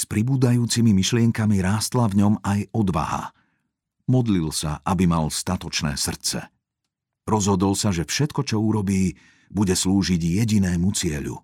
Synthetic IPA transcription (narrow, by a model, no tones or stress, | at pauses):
spɾibuːd̪ajuːt͡simimiʃlɪɛŋkamiɾaːst̪lavɲɔmajɔd̪ʋa̰ɦa̰ | mɔd̪lilsa̰ʔabimalst̪at̪ɔt͡ʃnɛ̰ːsr̩t͡sɛ̰ | ɾɔzɦɔd̪ɔlsaʒɛfʃɛt̪kɔt͡ʃɔuɾɔbiː | buɟɛsluːʒiɟjɛɟinɛːmut͡sɪɛʎṵ